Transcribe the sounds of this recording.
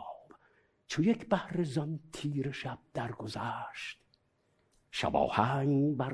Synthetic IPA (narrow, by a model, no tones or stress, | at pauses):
b̥ | t͡ʃʰojekʰbæhɾezɒnt̪ʰiːɾeʃæb̥̚d̪æɾɡozæʃt̪ | ʃæ̰bɒ̰ːhæŋbæ